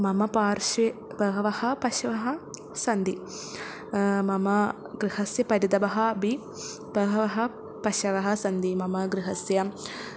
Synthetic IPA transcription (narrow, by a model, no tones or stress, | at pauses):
mɐmɐpaːɾʃebɐɦɐʋɐhɐpɐʃɐʋɐɦɐ | sɐnd̪i | mɐmɐ | ɡɾihɐsjɐpɐɾɐd̪ɐbɐɦɐbi | bɐɦɐʋɐɦɐ | pɐʃɐʋɐɦɐsɐnd̪imɐmɐɡɾiɦɐsjɐ